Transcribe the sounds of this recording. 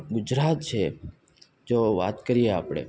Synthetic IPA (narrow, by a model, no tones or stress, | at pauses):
ɡʊd͡ʒɾat̪t͡ʃʰe | d͡ʒoʋa̰t̪kəɾiea̰ːpɽ̃ḛ